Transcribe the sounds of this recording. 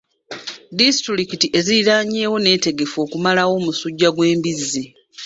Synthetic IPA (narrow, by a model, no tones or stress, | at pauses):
distɾikitiʔe̞ziɾaːɲe̞ːwo̞ne̞ːte̞ɡe̞fo̞ːkumalawo̞ːmusuɟːaɡwe̞ːmbizi